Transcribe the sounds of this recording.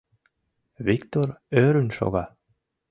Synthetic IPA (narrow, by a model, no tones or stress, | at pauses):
vikt̪ɔɾœːɾʏnʃɔ̰va